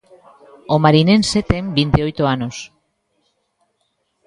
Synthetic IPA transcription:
omaɾine̞nse̞t̪embind̪eo̞jt̪oano̞s

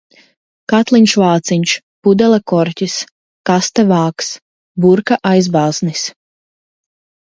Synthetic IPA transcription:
kat̪lˠiɲʲʃvaːt̪siɲʲʃ | pud̪ɛlˠakɔɾctʲis | kast̪ɛvaːks | buɾkaʔajzbaːznis

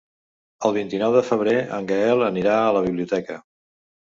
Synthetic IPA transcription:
əlˠβint̪inɔwðəfəβ̞ɾeə̰ŋɡəɛlˠəniɾaələβ̞iβliut̪ɛkə

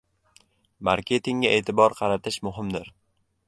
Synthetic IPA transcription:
maɾkʲʰe̞t̪ʰɪŋɡʲaʔe̞ːt̪ʰɪbɒɾqʰɑɾat̪ʰɪʃmʊɦɪmd̪ɪɾ

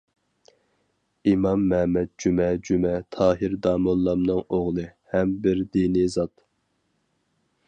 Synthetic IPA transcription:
imɑmːɛmɛd̪̚d͡ʒumɛd͡ʒumɛt̪ʰɑːɦɪɾd̪ɑːmɑlˠːɑmnɨŋoʁlˠɨhɛmbɪɾd̪inizɑt̪

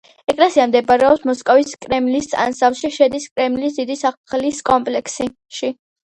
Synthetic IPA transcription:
ɛkʼlɛsiamd̪ɛbaɾɛɔpsmɔskʼɔviskʼɾɛmlisʼa̰nsafʃiʃɛd̪iskʼɾɛmlisd̪id̪isaχliskʼɔmpʼlɛksi | ʃi

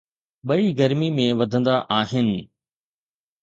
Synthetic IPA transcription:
ɓɐiɡɐɾmimẽʋɐd̪ʱə̃nd̪aʔaːɦɪnɪ̆

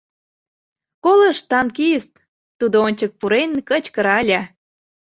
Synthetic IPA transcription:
kolə̆ʃt̪ɑnkiəst̪ | t̪ud̪oonʲt͡ɕək̚puɾenkət͡ɕkə̆ɾɑɑlʲɑ

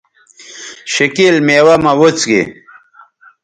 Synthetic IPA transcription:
ɕikilmeːwɐmɐwut͡sɡḭ

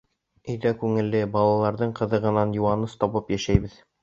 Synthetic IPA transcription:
ɵ̆jd̪ækʉŋɘ̆lːɘbɑlˠɑlˠɑɾðɤɴqɤ̆ðɤ̆ʁɤ̆nɑnjuwɑnɤst̪ɒβɤpjæʃæjbɘð

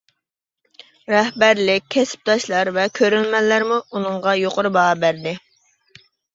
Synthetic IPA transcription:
ɾɛhbæɾlɪk̚ʲkʰːɛsɪ̥p̚d̪ɑʃlˠɑɾvɛkʲʰøɾylmɛlːæɾmuunɨŋʁɑjoqʊɾbɑɑbæɾd̪ɪ

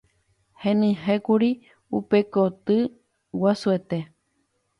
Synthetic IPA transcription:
hẽnɨ̃ɦekuɾi | upekot̪ɨ | wasuet̪e

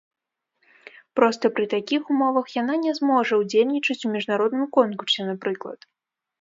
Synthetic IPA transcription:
pɾɔst̪ɐpɾɨt̪akʲixumɔvɐxjananʲɛzmɔʐɐwd͡zʲelʲnʲit͡ʂɐt͡sʲumʲiʐnaɾɔd̪nɨmkɔnkursʲɛnapɾɨklˠɐ̰t̪

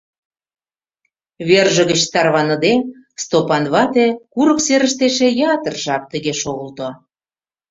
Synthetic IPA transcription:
βerʒə̆ɣə̆t͡ɕt̪ɑrβɑnɤ̆d̪e | st̪opɑnβɑt̪ekuɾə̆kseɾə̆ʃt̪eʃĕjɑt̪ə̆rʒɑk̚t̪ə̆ɣeʃoɣə̆lt̪o

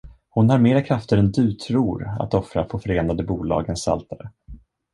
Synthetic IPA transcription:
hʊnhaɾmeːɾakʰɾaft̪əɾɛnd̪ɵt̪ʰɾuːɾa̰t̪ɔfɾafoːfœɾeːnad̪əbuːlɑ̰ːɡənsa̰lt̪ʰaɾə

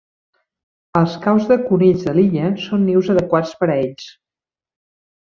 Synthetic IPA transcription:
əlˠskawzðəkuniʎzðəliʎəsonːiwzəðəkwat͡spəɾeʎs

